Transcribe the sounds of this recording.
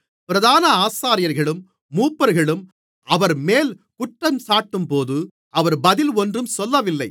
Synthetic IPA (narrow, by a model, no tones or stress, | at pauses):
pɪɾɐðaːnɐaːsaːɾɪjɐɾɣɐɭɯmː | uːpːɐɾɣɐɭɯm | ɐʋɐɾmeːl | kʊʈrɐmsaːʈːɯmpoːðɯ | ɐʋɐɾbɐðɪlɔndrɯmsɔlːɐʋɪlːɐɪ